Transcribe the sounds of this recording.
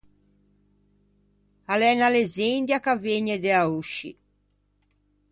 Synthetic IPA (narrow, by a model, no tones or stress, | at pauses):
alɛnalezind̪jakaveɲːed̪eauʃːḭ